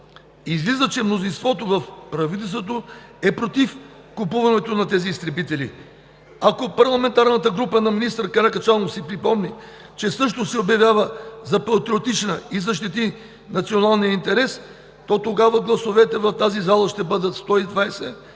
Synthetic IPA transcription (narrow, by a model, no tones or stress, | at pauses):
izlizət͡ʃɛmnozinst̪vɔt̪ovɐfpɾɐvit̪ɛlst̪vot̪oɛpɾot̪if | kʊpuvɐnɛt̪onɐt̪ɛziːst̪ɾɛbit̪ɛlḭ | akopɐɾlˠɐmɛnt̪aɾnət̪əɡɾupənɐminist̪ɾkɐɾakɐt͡ʃalˠnosipɾipɔmni | t͡ʃɛsɤʃt̪osɛobjɐvʲjavəzɐpɐt̪ɾiot̪it͡ʃnəizɐʃ̬t̪it̪i | nɐt̪sionalˠnijəint̪ɛɾɛs | t̪ɔt̪oɡavəɡlˠɐsovɛt̪ɛvɐft̪azizalˠɐʃt̪ɛbɤd̪ət̪st̪ɔid̪vajsɛ